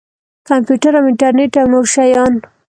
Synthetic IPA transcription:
kampjuʈaɾamɪɳʈaɾneʈawnoʃajɑn

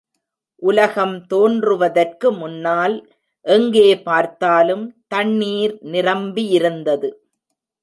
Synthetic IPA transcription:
ʔʊlɐɣɐmt̪oːndrɯʋɐðɐrkɯmʊnːaːl | ʔɛŋɡeːpaːɾt̪aːlɯmt̪ɐɳːiːɾnɪrɐmbijɪɾɯnd̪ɐðɯ

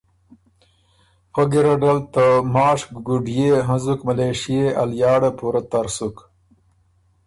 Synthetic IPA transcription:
pəɡiɾaɖalt̪amɑːʂɡuɖjeɦãzukmaleʂijeʔaljɑːɽapuɾat̪aɾsuk

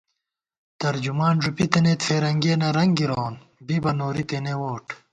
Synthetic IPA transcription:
t̪ɐɾd͡ʑumaːnʐupit̪ɐnet̪feːɾɐŋɡeːnɐɾɐŋɡiɾown | bibɐnoːɾit̪enewoːʈ

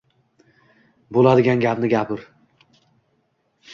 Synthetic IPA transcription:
bolˠad̪ɪɡʲanɡʲapnɪɡʲapʰɪɾ

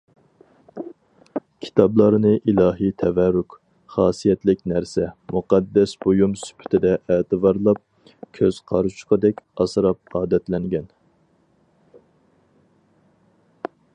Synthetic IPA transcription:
kʲʰi̥t̪ʰɑblˠɑɾnɨʔilˠɑːɦit̪ʰɛvɛɾʊk | χɑːsijɛt̪lɪkʲnæɾsɛmuqɑd̪ːɛsbojumsy̥pʰɪ̥t̪ʰɪd̪ɛʔeːt̪ɨbɑɾlˠɑp̚ | kʲʰøz̥qʰɑɾut͡ʃʰqəd̪ɛkʲɑsɾɑp̚ɑːd̪ɛt̪lɛŋɡʲɛn

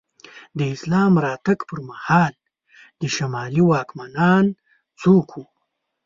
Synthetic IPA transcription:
d̪əɪslɑːmɾɑt̪akpəɾmahɑːl | d̪əʃamɑliwɑːkmanɑn | t͡sokʰu

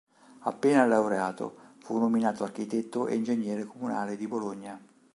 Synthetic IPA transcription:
a̰pːeːnalawɾeaːt̪o̰funːominaːt̪oark̟it̪ɛt̪ːoʔḛind͡ʒeɲːɛːɾekomuna̰ːled̪iboloɲːa

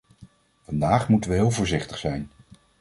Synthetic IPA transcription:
vɑndaːχmutənʋəɦɪːlˠvʊːɹzɪχtəχsɛjn

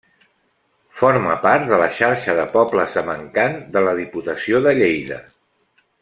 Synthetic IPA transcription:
foɾməpaɾt̪̚d̪ələʃaɾʃəðəpɔpləsəməŋkand̪ələðiput̪əsioðəʎejðə̰

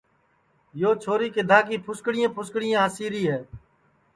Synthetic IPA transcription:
joːt͡ʃʰoːɾiːked̪ʱaːkiːpʰʊskɽɪjãːpʰʊskɽɪjãːɦəsiːɾiːɦɛː

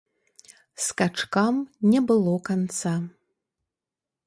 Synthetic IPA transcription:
skat͡ʂkamnʲɛbɨlˠɔkant̪sa

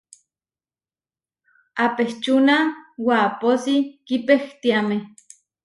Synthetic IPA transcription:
apeht͡ʃunawaːposikipext̪iame

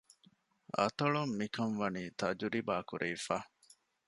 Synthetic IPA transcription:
ɐ̰t̪ɐɭomːikɐnʋɐniːt̪ɐd͡ʒuɾibaːkuɾʔeːfaː

